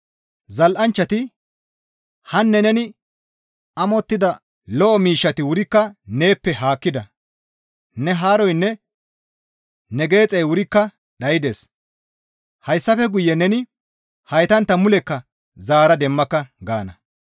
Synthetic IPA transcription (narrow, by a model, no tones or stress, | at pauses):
zɐlʔɐnt͡ʃːɐt̪ɪ | hɐnːɛnɛnɪ | ɐmɔt̪ːɪd̪ɐ | lɔʔɔmiːʃːɐt̪ɪwʊɾɪkːɐne̞ːpːɛɦaːkːɪd̪ɐ | nɛɦaːɾɔjnːɛ | nɛɡe̞ːt͡sʼɛjwʊɾɪkːɐ | ɗɐjɪd̪eːs | hɐjsːɐfɛɡʊjːɛnɛnɪ | hɐjt̪ɐnt̪ːɐmʊlɛkːɐ | zaːɾɐd̪ɛmːɐkːɐɡaːnɐ